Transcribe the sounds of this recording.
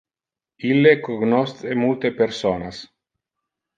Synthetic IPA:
ilːekoɡnost̪emult̪epeɾsoːnas

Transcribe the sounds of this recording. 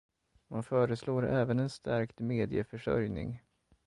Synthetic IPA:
manfœːɾəsloːɾɛːvənɛnst̪æɾkt̪meːd̪ɪəfœʂœ̰ɾjnɪ̰ŋ

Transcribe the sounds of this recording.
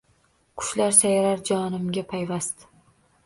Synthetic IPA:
kʰʊ̥ʃlaɾsajɾaɾd͡ʒɒnɪmɡʲapʰajvast̪

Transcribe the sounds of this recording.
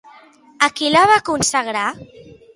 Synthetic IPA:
akilaβakunsaɣɾa

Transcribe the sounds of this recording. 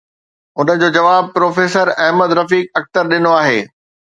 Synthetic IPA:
ʊn̤ə̆d͡ʑoːd͡ʑɐʋaːb̚pɾoːfeːsəɾɛɦməd̪ɾɐfiːk̚ɐk̚t̪əɾɗɪnoaːɦeː

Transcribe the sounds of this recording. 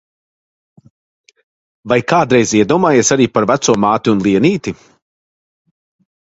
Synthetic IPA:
vajkaːd̪ɾɛjziɛd̪uɔmaːjeɛsaɾiːpaɾvæt̪suɔmaːt̪iunlˠiɛniːt̪i

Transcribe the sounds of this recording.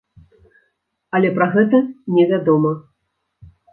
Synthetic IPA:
ɐlʲɛpɾaɣɛt̪̬ɐnʲɛvʲad̪ɔmɐ

